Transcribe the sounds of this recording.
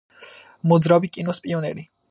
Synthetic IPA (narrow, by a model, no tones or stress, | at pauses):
mɔd̪zɾabikʼinɔspʼiɔnɛɾi